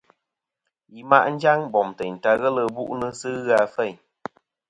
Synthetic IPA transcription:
ji˨ma˦ʔn̩˦d͡ʒa˦ŋbɔ˨mtɛ˨n̩˨ta˧ɣə˦lə˦˨bṵ˦ʔnə˦sɨ˦ɣa˦˧fɛ˦˨ɲ

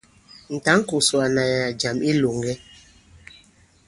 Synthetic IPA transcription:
n̩˨ta˨˦ŋ̩˦ku˨swa˨na˨ja˨d͡ʒa˨mi˦lo˨ŋɡɛ˦

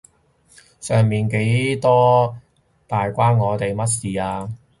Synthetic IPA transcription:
sœː˨˩ŋmiː˨nke˨˥jt̪ɔː˥ | t̪aː˨jkʷaː˥nŋɔː˨˧t̪e˨jmɐ˥t̚siː˨˩aː˧

